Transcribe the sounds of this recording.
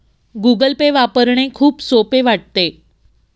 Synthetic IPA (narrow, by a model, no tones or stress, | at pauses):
ɡuɡəlpeʋapəɾɳ̃ekʰuːpsopeʋaʈ̚t̪e